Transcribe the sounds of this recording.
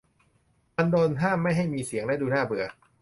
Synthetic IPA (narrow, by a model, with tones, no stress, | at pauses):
ʔa˧ndoː˧nɦaː˥˩mːa˥˩jɦa˥˩jmiː˧si˨˩˦əŋlɛː˦˥˩duː˧naː˥˩bɯ˨˩ɐk̚